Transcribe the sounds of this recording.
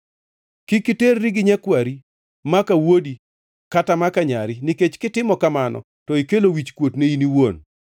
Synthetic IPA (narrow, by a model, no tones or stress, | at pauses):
kɪkiterːiɡɪɲakwaɾi | makawodi | katamakaɲaɾiniket͡ʃkɪtɪmɔkamanɔ̰ | tɔikelowit͡ʃkwotneiniwon